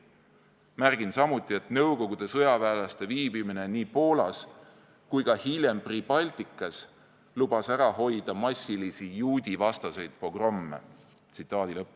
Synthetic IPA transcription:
mærɡ̥insɑmut̪ˑːie̞t̪nɤwko̞ɡ̥ud̪̥e̞sɤjɑvæːlɑst̪e̞viːbimine̞niːpo̞ːlɑs | kujkɑhilʲje̞mprib̥ɑlʲt̪ikːˑɑs | lub̥ɑsæɾɑɦo̞jd̪̥ɑmɑsʲːilisijuːd̪̥ʲivɑst̪ɑse̞jd̪̥̚pro̞ɡ̥rɑmːḛ | t̪sit̪ˑːɑːd̪̥ilɤpː

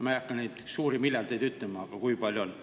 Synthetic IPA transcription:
mɑjɑkːɑnnejd̪suːɾimilːelt̪ejd̪yt̪ˑlemɑːɡ̥ɑkujpɑlʲjuon

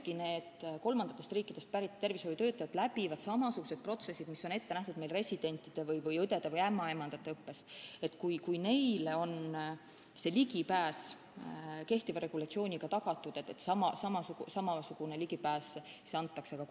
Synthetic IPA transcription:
kine̞ːd̪ko̞lmɑnd̪ɑt̪ːˑe̞st̪riːkːˑid̪̥e̞st̪̚pæɾit̪ːt̪ːe̞rvishojut̪øːt̪ːˑɑjɑt̪læbivɑd̪̥sɑmɑsuɡ̥use̞d̪̚pro̞t̪se̞sːid̪miso̞ne̞t̪ːeæht̪ud̪̥me̞jlre̞sʲid̪̥e̞nʲt̪ːˑid̪̥e̞vɤjvɯjɤd̪e̞d̪̥evɤjæmːɑe̞mɑnd̪̥ɑt̪ːe̞ɤpːe̞se̞t̪ːkujkujne̞jleo̞n | se̞liɡipæːs | ke̞ht̪ivɑɾe̞ɡ̥ulɑt̪sio̞ːnʲiɡ̥ɑt̪ɑɡ̥ɑt̪ːˑud̪̥e̞t̪ːˑet̪sɑmɑsɑmɑsuɡusɑmɑsuɡ̥une̞liɡ̥ipæːseseɑnt̪ːˑɑksekɑ

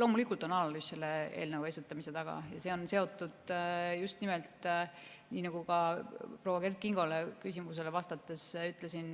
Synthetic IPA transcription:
lo̞ːmulikːˑult̪o̞nɑlɑlusse̞lːe̞ḛːlnəwe̞sut̪ːˑɑmise̞t̪ɑɡ̥ɑ̰jɑse̞ːo̞nse̞o̞t̪ːˑud̪̥just̪nimelt̪ | niːnɑɡ̥ukɑpro̞ːwɑke̞rt̪̚kiŋɡ̥o̞lekysimus̬e̞levɑst̪ɑt̪ːˑesyt̪ːˑlesin

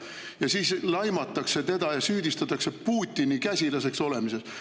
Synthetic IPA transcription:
jɑsiːslɑjmɑt̪ːˑɑkse̞t̪e̞d̪̥ɑjɑsyːd̪ist̪ɑt̪ːˑɑkse̞puːt̪ʲːinikæsʲilɑse̞kso̞le̞mise̞s

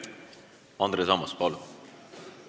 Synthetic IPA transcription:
ɑnd̪ɾesɑmɑspɑlu

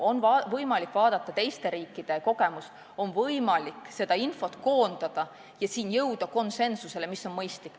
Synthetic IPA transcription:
o̞nvɑvɤjmɑlikːˑvɑːd̪̥ɑt̪ːˑɑt̪e̞jst̪e̞ɾiːkːˑid̪̥e̞ko̞ɡ̥e̞mus | o̞nvɤjmɑlikːse̞d̪̥ɑinfo̞t̪ko̞ːnd̪̥ɑd̪̥ɑ | jɑsiːnjɤwd̪̥ɑko̞nse̞nsuse̞le̞misːo̞nmɤjst̪likːˑ

